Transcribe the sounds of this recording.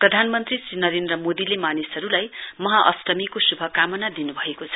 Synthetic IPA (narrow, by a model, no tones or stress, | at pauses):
prʌd̪ʱanmʌnt̪risrinʌɾend̪rʌmod̪ilemanisʌɾulajmʌɦaʔʌ̰stʌmikosubʱʌkamʌnad̪inubʱʌekot͡sʰʌ̥